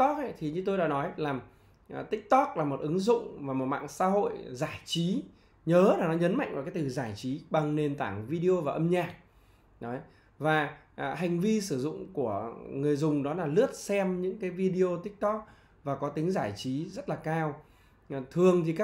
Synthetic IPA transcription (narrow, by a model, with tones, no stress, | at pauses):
t̪ɔ˦˥k̚ʔɛ̰˧˦jt̪ʰi˨˩ɲɨ˧t̪o˧jɗa̰ː˧˥nɔ˨˦jlaː˨˩m˨˩ | t̪ï˦˥k̚t̪ɔ˦˥k̚laː˨˩mo˨˩t̚ʔɨ˨˦ŋzʊ̰˧˨ŋ͡mvaː˨˩mo˨˩t̚ma̰ː˧˨ŋsa̰ː˧˥ɦo̰˧˨jzaː˧˩jt͡ɕi˨˦ | ɲəː˨˦laː˨˩nɔ˨˦ɲə˨˦nma̰˧˨jŋʔvaː˨˩kaː˨˦jt̪ɨ˨˩zaː˧˩jt͡ɕi˨˦ɓa˨˩ŋne˨˩nt̪aː˧˩ŋvi˧ɗi˧o˧vaː˨˩ʔə˧mɲaː˨˩k̚ | ɗɔ˨˦j | vaː˨˩˨ | ɦa˨˩jŋ̟vi˧sɨ˧˩zʊ̰˧˨ŋ͡mku˧˩əŋɨ˨˩əjzʊ˨˩ŋ͡mɗɔ˨˦laː˨˩lɨ˦˥ət̚sɛ˧mɲɨ̰˧˥ŋkaː˨˦jvi˧ɗi˧o˧t̪ï˦˥k̚t̪ɔ˦˥k̚ | vaː˨˩kɔ˨˦t̪ï˨˦ŋ̟zaː˧˩jt͡ɕi˨˦zə˦˥t̚laː˨˩kaː˧w | t̪ʰɨ˨˩əŋt̪ʰi˨˩kaː˦˥